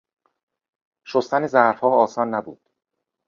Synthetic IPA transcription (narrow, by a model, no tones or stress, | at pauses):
ʃost̪ænezæɾfhɒːɒːsɒːnːæbṵːd̪̥